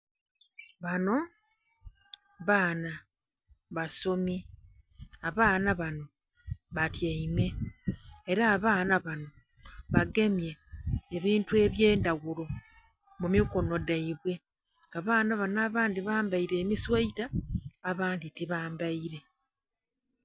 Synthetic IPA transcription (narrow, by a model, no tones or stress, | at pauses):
βano̞ | βaːna | βaso̞mi | aβaːnaβano̞ | βatjaime̞ː | ɾaːβaːnaβano̞ | βaɡe̞mje̞ːβiːntue̞βjeːndaɡulo̞ | mumiko̞no̞daiβwe̞ | aβaːnaβanaːβaːndiβaːmbaiɾe̞ːmiswaitaːβaːnditiβaːmbaiɾe̞